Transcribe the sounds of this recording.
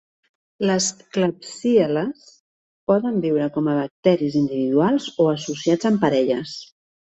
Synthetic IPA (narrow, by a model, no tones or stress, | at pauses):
ləskləpsiələs | pɔðəmbiwɾəkɔməβ̞ək̚t̪ɛɾizind̪iβiðualˠzoəsusiad͡zəmpəɾɛʎəs